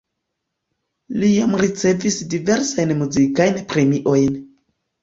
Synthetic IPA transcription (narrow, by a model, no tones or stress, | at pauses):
lijamɾit͡se̞visdive̞ɾsajnmuzikajnpɾe̞miʔo̞jn